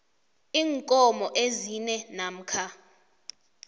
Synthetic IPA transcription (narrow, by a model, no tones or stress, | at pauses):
iːŋkʼɔmɔʔezinɛnam̩kʰa